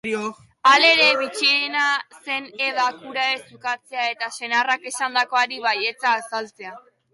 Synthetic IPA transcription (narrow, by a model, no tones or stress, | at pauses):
io | ale̞ɾe̞βit͡ʃinase̞ne̞ðakuɾae̞sukat͡se̞ae̞t̪ase̞narake̞sand̪ako̞aɾiβaje̞t͡saːsalt͡se̞a